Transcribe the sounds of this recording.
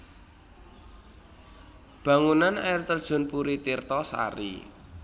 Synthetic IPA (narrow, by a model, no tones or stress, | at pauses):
b̥ä̤ŋunana̰ɪrt̪ərd̥ʒ̥ʊ̤npuɾit̪irt̪ɔsa̰ɾḭ